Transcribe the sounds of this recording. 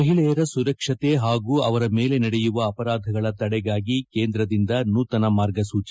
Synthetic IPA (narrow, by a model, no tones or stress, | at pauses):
ɐɦiɭɛjɐɾɐsuɾɐkʂɐt̪eɦaːɡuːɐʋɐɾɐme̞ːle̞nɐɽɛjuʋɐːpɐɾaːd̪ʱɐɡɐɭɐd̪ɐɽɛɡaːɡike̞ːnd̪ɾɐd̪ind̪ɐnuːt̪ɐnɐmaːɾɡɐsuːt͡ʃi